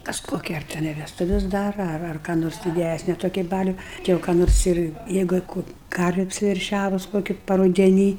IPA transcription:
ˈkɐs koːˈkʲɛ tʲɛˈnɐɪ ʋʲɛsˈtʊʋʲɛs ˈdɑːrɐ ɐr ɐr kɑː ˈnoːrs dʲɪˈdʲæsʲnʲɪ toːˈkʲiː ˈbɑːlʲʊ ˈtʲɪ jɛʊ kɑː ˈnoːrs ɪr ˈjɛɪɡʊ ɪ ˈkuː ˈkɐrʲʋʲeː ɐpʲsʲɪʋʲɛrʲˈʃʲæːʋʊs ˈkoːkʲɪ pɐrʊdʲɛˈnʲiː

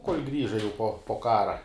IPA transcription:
koːlʲ ɡrʲiːʒɐ jɛʊ poː poː ˈkɑːrɐ

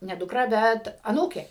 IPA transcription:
nʲɛ dʊkˈrɐ ˈbʲɛt ɐˈnuːkʲeː

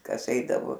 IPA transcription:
ˈkɐs ˈɛɪdɐʋoː

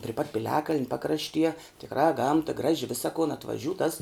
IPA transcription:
pʲrʲɪ pɐt pʲɪˈlʲæːkɐlʲnʲ ˈpɑːkrɐʃʲtʲiɛ tʲɪkˈrɑː ˈɡɐmtɐ ˈɡrɑːʒʲɪ ˈʋʲɪsɐ kʊn ɐtʋɐˈʒʲuː tɐs

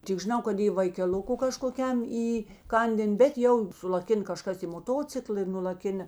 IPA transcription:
tʲɪk ʒʲɪˈnɐʊ kɐt ɪ ʋɐɪkʲɛˈlʲʊkʊ kɐʃkoːˈkʲɛm iːˈkɐnʲdʲeːn bʲɛt ˈjɛʊ sʊlˠɐˈkʲɪn kɐˈʃkɐs iː moːˈtoːt͡sʲɪklˠɐ ɪ nʊlˠɐˈkʲɪnɐ

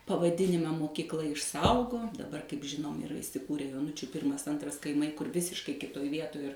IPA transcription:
pɐʋɐˈdʲɪnʲɪmɑː moːkʲiːkˈlˠɐ ɪʃˈsɐʊɡoːm dɐˈbɐr kɐɪp ˈʒʲɪnoːm ɪˈrɐ ɪsʲɪˈkuːrʲɛ joːˈnʊt͡ʃʲʊ ˈpʲɪrmɐs ˈɐntrɐs kɐɪˈmɐɪ kʊr ˈʋʲɪsʲɪʃkɐɪ ˈkʲɪtoːj ˈʋʲiɛtoːj ɪr

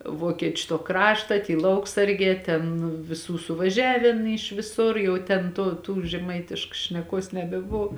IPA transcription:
ˈʋoːkʲiɛt͡ʃʲ toː ˈkrɑːʃtɐ ˈtʲiː ˈlˠɐʊksɐrʲɡʲɛː ˈtʲɛn ʋʲɪˈsuː sʊʋɐˈʒʲæːʋʲeːn iːʃ ʋʲɪˈsʊr ˈjɛʊ tʲɛn ˈtoː tuː ʒʲɛˈmɐɪtʲɪʃkɐs ʃʲnʲɛˈkuɔs nʲɛbʲɛˈboːw

